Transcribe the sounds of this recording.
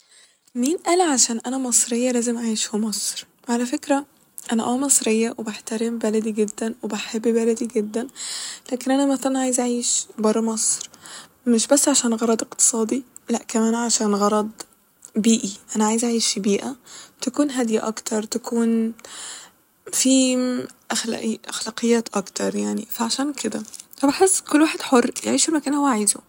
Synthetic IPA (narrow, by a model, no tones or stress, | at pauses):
miːnʔæːlʕaʃæːnʔænæmɑsˤɾejːælæːzemʕajeʃhomɑsˤɾ | ʕalæfekɾæ | ʔænæ̰ʔæwæmɑsˤɾejːæwebaħt̪æɾembælæd̪iɡed̪ːænwebaħebːbælæd̪iɡed̪ːænlæːkenʔænæmæθælænʕaːjezaʕiːʃbɑrˤːɑmɑsˤɾ | meʃbæsːʕaʃæːnɣɑɾˤɑd̪ˤeqt̪e̥sˤɑːd̪ilæʔkæmæːnʕaʃæːnɣɑɾˤɑd̪ˤ | biːʔiʔænæʕaːjezʔaʕiːʃbiːʔæt̪ækuːnɦæd̪jiʔɑ̰kt̪ʰɑɾˤt̪ækʰuːn | fiʔæxl̰ʔʔæ̰xlæːqejːæːt̪ʔɑkt̪ɑɾˤjaʕnifæʕaʃæːnkʰed̪ææbaħesːkolːwaːħed̪ħorˤːjeʕiːʃelmækæːnhowːæʕiːzo